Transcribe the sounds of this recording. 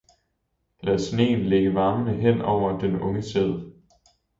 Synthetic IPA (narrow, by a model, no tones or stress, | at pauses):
læðˠsne̝̰ːnleɡ̥əʋɑ̈ːmənəɦen̰ɒʊ̰ɐd̥enɔ̽ŋəseðˠ